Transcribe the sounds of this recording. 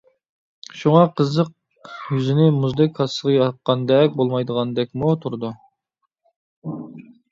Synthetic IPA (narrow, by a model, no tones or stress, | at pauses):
ʃuŋɑqʰəzəq̚ | jyzɪnɪmuzd̪ɨkʲʰɑsəʁɑjɑt̪̚qɑnd̪ɛkʲbolˠmɑjd̪əʁɑnd̪ɛk̚ʲmut̪ʰuɾd̪u